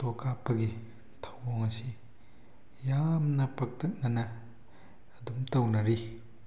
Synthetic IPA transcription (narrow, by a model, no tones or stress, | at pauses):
tokapːɐɡi | tʰɐwoŋɐsi | jamnɐpɐk̚tʰɐt̚nɐnɐː | dumtɐwnɐɾi